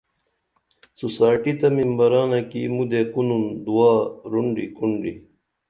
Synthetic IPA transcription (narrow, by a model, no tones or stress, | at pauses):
susaːʈit̪ɐmimbɐɾaːnɐkḭmud̪ekunund̪uwaːɾuɳɖikuɳɖḭ